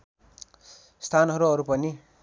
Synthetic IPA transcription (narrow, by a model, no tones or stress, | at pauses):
st̪ʰanɦʌɾuʌɾupʌni